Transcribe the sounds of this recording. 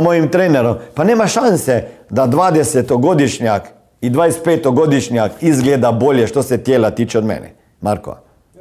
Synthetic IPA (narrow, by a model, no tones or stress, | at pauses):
moːjimt̪ɾeːnɛɾɔmpanɛːmaʃansɛd̪ad̪ʋaːd̪ɛsɛt̪oɡoːd̪iʃɲak | id̪ʋajst̪̚peːt̪ɔɡoːd̪iʃnɲakizɡleːd̪aboːljɛʃt̪osɛt̪jeːlat̪iːt͡ʃɛɔd̪mɛ̰ːnɛ̰ | maɾkɔ̰